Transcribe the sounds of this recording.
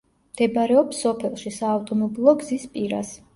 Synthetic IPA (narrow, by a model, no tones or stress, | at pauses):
md̪̥ɛbaɾɛɔpsɔpʰɛlˠʃisaːft̪ʼɔmɔbilˠɔɡzispʼiɾa̰s